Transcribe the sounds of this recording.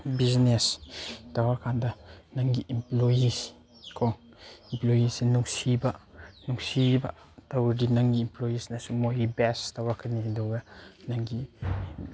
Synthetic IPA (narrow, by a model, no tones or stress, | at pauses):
biznestawakandanaŋɡiʔimplojis | kʰoŋ | implojisinuŋsibanuŋsiba̰ | tawdinaŋɡiːmplojisnasumojibestawakaninduɡanaŋɡi